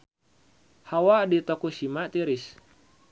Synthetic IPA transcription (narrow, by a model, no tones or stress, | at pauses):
hawaʔdit̪ɔkusimaʔt̪iɾis